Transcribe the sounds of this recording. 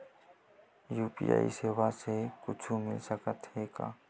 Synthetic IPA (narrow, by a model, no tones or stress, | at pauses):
juːpḭa̰ːḭseːwasekʊt͡ʃʰumɪlsəkət̪heka̰ː